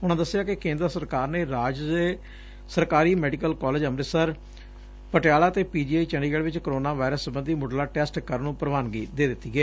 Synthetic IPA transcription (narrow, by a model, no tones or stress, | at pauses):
ʊnãːd̪əsːɪjaːkɪkẽːnd̪ɾsəɾkaːɾneːɾaːd͡ʒdeː | səɾkaːɾiːmɛːɖikəlkɔːleːd͡ʒəmɾɪsəɾ | pəʈɪjaːlaːt̪eːpiːd͡ʒiːaːit͡ʃəɳɖiːɡɛːɽʋɪt͡ʃkəɾoːnaːʋaːɪɾəsːəbə̃nd̪iːmoɖlaːʈɛːsʈkəɾnũːpəɾəʋaːnɡiːd̪eːd̪ɪt̪ːiːɡɛː